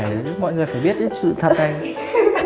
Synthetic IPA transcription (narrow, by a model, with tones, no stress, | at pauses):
mɔ̰˧˨jŋɨ˨˩əjfaː˧˩jɓi˦ət̚sɨ̰˧˨t̪ʰə˨˩t̚ha˧˩jŋ